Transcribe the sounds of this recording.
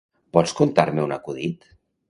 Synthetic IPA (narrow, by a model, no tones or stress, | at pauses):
pɔskont̪aɾmeunakuðit̪